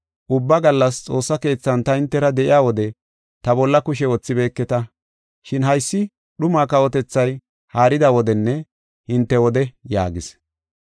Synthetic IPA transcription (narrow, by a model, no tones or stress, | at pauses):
ʔʊbːɐɡɐlːɐst͡sʼo̞ːsːɐke̞ːt͡sːɐnt̪ɐɪnt̪ːɛɾɐd̪ɛʔɪjaːwɔd̪ɛ | t̪ɐbɔlːɐkʊʃ̬ɛwɔt͡sːɪbe̞ːkːɛt̪ɐ | ʃɪnɦɐjsːɪ | ɗʊmaːkɐwɔt̪ɛt͡sːɐj | haːɾɪd̪awɔd̪ɛnːɛ | hɪnt̪ːɛwɔd̪ɛja̰ːɡɪs